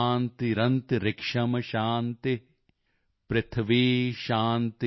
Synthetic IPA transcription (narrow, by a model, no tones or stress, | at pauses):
nt̪iɾɐnt̪ɾɪkʂɐmɐʃaːnt̪i | pɾɪt̪ʰɐʋiːʃaːnt̪